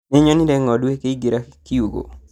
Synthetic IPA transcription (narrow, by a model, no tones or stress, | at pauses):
eɲɔniɾɛŋɔdwekeiɡiɾakijuɡo̰